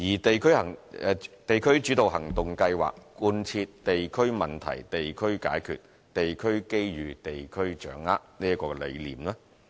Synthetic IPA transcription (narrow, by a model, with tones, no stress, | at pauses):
jiː˨˩t̪e˨jkʰɵ˥ɥhɐ˨˩ŋɛ˧t̪e˨jkʰɵ˥ɥt͡ʃy˨˥t̪o˨wɦɐ˨˩ŋt̪ʊ˨ŋkɐ˧jwa̰ː˨k̚kuː˧nt͡sʰiː˧tt̪e˨jkʰɵ˥ɥmɐ˨˩nt̪ʰɐ̰˨˩jt̪e˨jkʰɵ˥ɥka̰ː˨˥jkʰy̰˨t̚ | t̪e˨jkʰɵ˥ɥke˥jɥyː˨t̪e˨jkʰɵ˥ɥt͡ʃœ̰ː˨˥ŋa̰ː˥t̚niː˥ɐ˥kɔː˧kɛ˧le˨˧jlḭː˨˩mlaː˥